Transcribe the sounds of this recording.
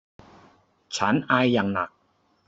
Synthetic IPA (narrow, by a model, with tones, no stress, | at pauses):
t͡ɕʰa˦˥nʔaː˧jːa˨˩ŋna˨˩k̚